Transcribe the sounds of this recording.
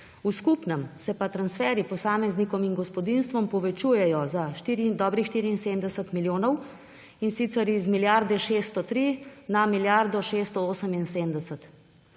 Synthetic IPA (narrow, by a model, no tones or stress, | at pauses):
uskupnəmsɛpat̪ɾansfɛːɾipɔsaːmɛznikɔminɡɔspɔd̪inst̪ʋɔmpɔʋɛt͡ʃuːjɛjɔzaʃt̪iɾid̪ɔːbɾixʃt̪iːɾiːnseːmd̪ɛsət̪miljoːnɔw | insit̪sɛɾizmiljaɾd̪ɛʃeːst̪ɔt̪ɾinamiljaɾd̪ɔʃeːst̪ɔoːsəminseːmd̪ɛsət̪